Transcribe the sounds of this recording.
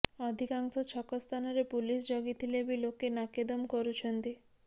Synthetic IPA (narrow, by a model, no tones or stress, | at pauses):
ɔd̪ʱikaŋsɔt͡ɕʰɔkɔst̪ʰanɔɾepulisd͡ʒoɡit̪ʰilebilokːenaked̪ɔmkɔɾut͡ʃʰɔnt̪i